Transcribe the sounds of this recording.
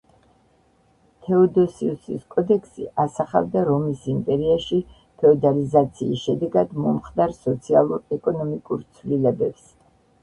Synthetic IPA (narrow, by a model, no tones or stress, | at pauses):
t̪ʰɛɔd̪ɔsiusḭskʼɔd̪ɛkʰsḭʔasaχa̰vd̪aɾɔmisimpʼɛɾiaʃi | pʰɛɔd̪alizat̪sʰiːsʃɛd̪ɛɡad̪mɔmχd̪aɾsɔt̪sʰialˠuɾɛkʼɔnɔmikʼuɾt̪sʰvlilɛbɛps